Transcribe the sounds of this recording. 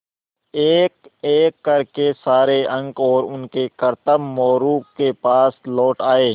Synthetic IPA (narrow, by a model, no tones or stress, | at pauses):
eːkeːkːɐɾkesaːɾeɐ̃ŋɡɔːɾʊnkekɐɾt̪əbmɔːɾuːkkːepaːslɔːʈaːeː